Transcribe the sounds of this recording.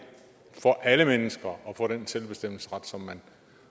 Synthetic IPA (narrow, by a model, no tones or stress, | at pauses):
fɒ̽ʔæləmenəsɡ̥ɐʔɒ̽fɒ̽ːɾ̥enselb̥e̝sd̥em̰l̩sə̥ʁɑ̈d̥sɒ̽mːæn